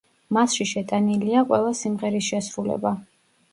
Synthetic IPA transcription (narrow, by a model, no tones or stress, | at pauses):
masʃiʃɛt̪ʼaniliaqʼwɛlˠasimʁɛɾisʃɛsɾulɛ̰ba